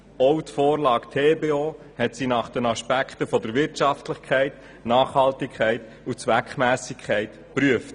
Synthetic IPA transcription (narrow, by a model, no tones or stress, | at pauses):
owtfoːɾlɑːktʰeːbeːoː | hɛtsinɑːχd̥ɛnɑʃpækχtəfɔd̪əɾʋɪɾtʃɑftlɪχkʰɛɪt | nɑːχhɑltɪkʰχɛɪt | ut͡sʋækχmæːsɪkʰχɛɪt | pɾyəft